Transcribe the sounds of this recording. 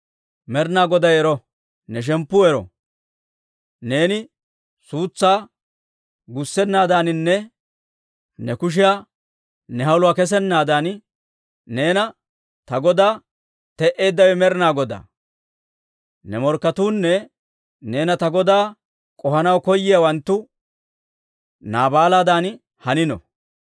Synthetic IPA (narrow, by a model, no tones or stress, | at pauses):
mɛɾnaːɡɔd̪ɐjɛɾɔ | nɛʃ̬ɛmpːʊɛɾɔ̰ | ne̞ːnɪ | suːt͡sːaː | ɡʊsːɛnːaːd̪aːnɪnːɛ | nɛkʊʃ̬ɪja | nɛɦɐwlʊaːkɛs̬ɛnːaːd̪aːn | ne̞ːnɐ | t̪ɐɡɔd̪aː | t̪ɛʔe̞ːd̪ːɐwɛmɛɾɪnaːɡɔd̪a̰ː | nɛmɔɾkːɐt̪uːnːɛ | ne̞ːnɐt̪ɐɡɔd̪aː | kʼɔhɐnɐwkɔjːɪjawɐnt̪ːʊ | naːbaːlaːd̪aːn | hɐnɪnɔ̰